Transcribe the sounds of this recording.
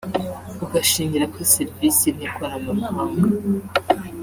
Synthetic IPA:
uɡaʃiːɲɟiɾakʰoseɾvisinikoɾamahaːŋɡa

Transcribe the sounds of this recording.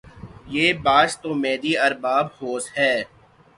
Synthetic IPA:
jeːbaːʃt̪oːmɛːd̪iɐɾbaːbhoːsɦɛː

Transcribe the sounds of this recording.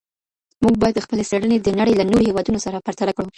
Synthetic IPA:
muɡ̚bɑjad̪əxpəlesaɽəned̪ənaɽəjlanoɾohewɑd̪unosaɾapaɾt̪alakɽu

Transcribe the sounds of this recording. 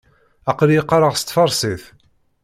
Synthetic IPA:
ɑqljəqːɑɾˤəʁst̪ːˤfɑɾˤsiθ

